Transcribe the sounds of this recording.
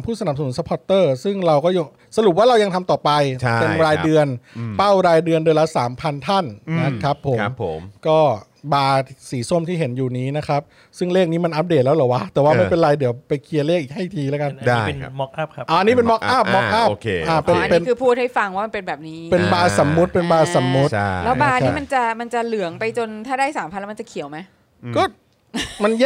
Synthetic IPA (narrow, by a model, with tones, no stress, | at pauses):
mpʰuː˥˩sa˧na˨˩p̚sa˧nu˩˦nsa˧˦pʰɔ˦˥t̪ːɤː˥˩sɯ˥˩ŋɾa˧wkɔː˥˩ja˧ | sa˧ɾu˨˩p̚waː˥˩ɾa˧wja˧ŋt̪ʰa˧mt̪ɔː˨˩pa˧jt͡ɕpe˧mɾaː˧jdɯ˧ənpa˥˩wɾaː˧jdɯ˧əndɯ˧əla˦˥saː˩˦mpʰa˧nt̪ʰa˥˩nna˦˥kʰɾa˦˥pʰːo˩˦m˦pʰːmkɔː˥˩ | baː˧siː˩˦so˥˩˨mt̪ʰiː˥˩ɦe˩˦njuː˨˩niː˦˥na˦˥kʰa˦˥p̚ | sɯ˥˩ŋleː˥˩k̚niː˦˥ma˧nʔa˦˥p̚deː˨˩t̪̚lːwlɔː˩wa˦˥t̪ɛː˨˩waː˥˩ma˥˩jpe˧nɾa˧jdi˨˩˦əwpa˧jkʰi˧ət̪leː˥˩k̚ʔiː˨˩ha˥˩jt̪ʰiː˧lɛː˦˥ka˧nda˧˩e˧˦mɔ˦˥k̚ʔa˥˩p̚kʰa˦ʔaː˧˩ʔnːiː˦˥pe˧nmɔ˦˥kʔa˥˩p̚mɔ˦˥k̚ʔa˥˩o˧kʰe˧ʔaː˧˩pe˧n˧pei˧˦˧kʰɯː˧pʰuː˥˩t̪̚ha˥˩jfa˧ŋwaː˥˩ma˧pe˧nbɛː˨˩p̚niː˦˥pe˧nbaː˧sa˩˦mːu˦˥t̪̚pe˧nbaː˧sa˩˦mːu˦˥t̪ʰa˥˩lɛː˦˥wbaː˧nː˦˩˥ma˧nt͡ɕa˨˩ma˧nt͡ɕa˨˩lɯ˨˩˦əŋpa˧jt͡ɕo˧nt̪ʰaː˥˩daː˥˩jsaː˩˦mʰa˧nlːɛ˦˥ma˧˩t͡ɕa˨˩kʰi˨˩˦wma˦˥j | kɔː˥˩ | ma˧nj